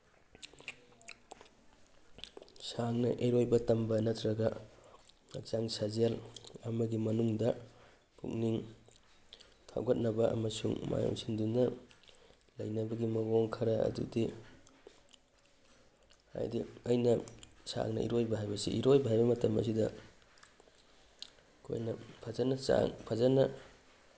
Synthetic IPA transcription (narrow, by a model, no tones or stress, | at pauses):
saŋnɐʔeɾojbɐtɐmbɐnɐtɾɐɡɐ | ɐ̰k̚zaŋsazelɐmɐɡimɐnuŋdɐ | kṵk̚niŋ | tʰa̰wɡɐt̚nɐbɐʔɐ̰mɐsuŋma̰jo̰ŋsindunːɐ | lɐjnɐbɐɡimɐɡɔŋkʰɐɾaɐ̰dṵdi | ha̰jdiɐjnɐsa̰ŋnɐʔḭɾojbɐɦajbɐsḭʔiɾojbaɦajbɐmɐtɐmɐ̰s̬idɐ | kʰo̰jnɐpʰazanasa̰ŋpʰazanɐ